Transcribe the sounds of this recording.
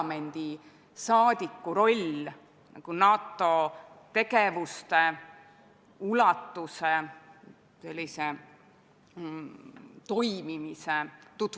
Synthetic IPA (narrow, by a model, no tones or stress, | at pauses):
me̞nd̪̥i | sɑːd̪̥ʲikːuɾo̞lʲ | nɑ̰ɡ̥unɑːt̪ːˑo̞ | t̪e̞ɡe̞vust̪e | ulɑt̪ːuse | se̞lʲːise | t̪o̞jmimiset̪ut̪